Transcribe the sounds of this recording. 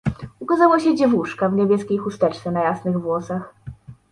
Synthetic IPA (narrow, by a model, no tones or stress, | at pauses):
ukazawɔɕɛd͡ʑɛvuʂkavɲebʲjɛskʲejxust̪ɛt͡ʂt̪sɛnajasnɘɣvwɔsax